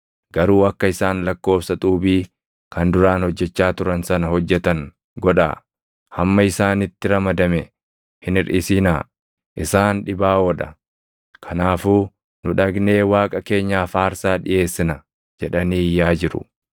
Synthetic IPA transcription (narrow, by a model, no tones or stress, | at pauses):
ɡ̥ɐɾuːɐkːɐɪsaːnlɐkːo̞ːfsɐt̪ʼuːbiː | kɐnd̪ʊɾaːnhɔd͡ʒːɛt͡ʃːaːt̪ʊɾɐnsɐnɐhɔd͡ʒːɛt̪ɐŋ | ɡɔᶑa̰ː | hɐmːɐɪsaːnɪt̪ːɪɾɐmɐd̪ɐmɛ | hɪnɪɾʔɪsinaː | ʔɪsaːnᶑɪbaːwɔᶑɐ | kʰɐnaːfuː | nʊᶑɐɡne̞ːwaːkʼɐke̞ːɲːaːfaːɾsaːᶑɪʔe̞ːsːɪnɐ | d͡ʒɛᶑɐniːjːaːd͡ʒɪɾʊ̰